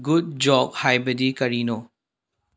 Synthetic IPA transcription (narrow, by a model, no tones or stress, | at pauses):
ɡud̚d͡ʒɔɡ̚hajbɐdikɐɾino